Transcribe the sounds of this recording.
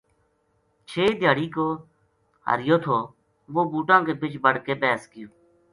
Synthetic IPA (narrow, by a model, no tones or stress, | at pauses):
t͡ʃʰeːd̪ʱjaːɽiːkoː | ɦə̰ɾɪjoːt̪ʰoː | ʋoːbuːʈãːkeːbɪt͡ʃbəɽkeːpɛːskɪjoː